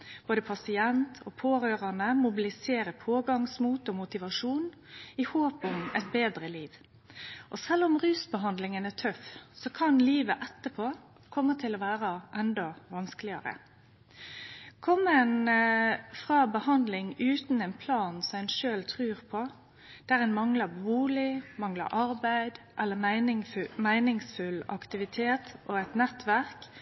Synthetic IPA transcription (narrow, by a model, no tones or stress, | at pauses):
b̥oːd̪əpʰɑsɪɛnt̪ʰɔpʰoːɾøːʁɑnəmʊbɪlɪseːɾəpʰoːɡɑŋsmuːt̪ɔmʊt̪ɪʋɑʂuːn | ɪhoːpʊmɛt̪̚beːd̪ɾəliːʋ | ʔɔsɛlːʊmʁʉːsbəɦɑnd̪lɪŋənæʈʰœfsɔkʰɑnliːʋəʔɛt̪ːəpʰoː | kʰɔmːət̪ʰɪlɔʋæːɾɑʔɛnd̪ɑʋɑnsklɪɑ̰ɾə̰ | kʰɔmːəɛn | fʁɑːbəhɑnd̪lɪŋʉːt̪n̩æɪnpʰlɑːnsɔmæɪnʃøːlt̪ʰʁʉːʁpʰɔ | d̪̥æɾɛnmɑŋlɑbuːlɪmɑŋlɑ̰ɾʔɑɾbæɪd̪ | ʔɛlːəɪnɪmæɪnɪŋsfʉlɑ̰kt̪ɪʋɪt̪ʰeːt̪ʔɔæɪt̪nɛt̪ʋæʁk